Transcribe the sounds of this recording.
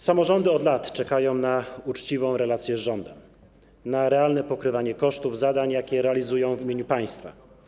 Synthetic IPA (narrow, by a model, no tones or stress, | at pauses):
samɔʐɔnd̪ɘɔd̪lat̪t͡ʂɛkajɔ̃w̃naut͡ʂt͡ɕivɔ̃w̃ɾɛlat̪sʲjɛzʐɔnd̪ɛm | naɾɛalnɛpɔkɾɘvaɲɛkɔʂt̪uvzad̪aɲjakʲɛɾɛalʲizujɔ̃w̃vimʲeɲupaj̃st̪fa̰